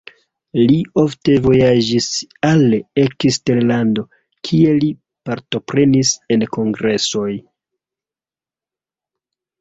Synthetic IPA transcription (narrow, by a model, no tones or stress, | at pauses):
lio̞fte̞vo̞jad͡ʒisalekiste̞ɾlando̞ | kʰie̞li | paɾto̞pɾe̞nise̞nko̞ŋɡɾe̞so̞j